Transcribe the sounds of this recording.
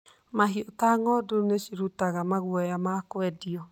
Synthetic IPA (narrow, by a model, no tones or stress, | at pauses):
maɦiotaŋɔdoneʃiɾutaɣamaɣwɔjamakowɛdiɔ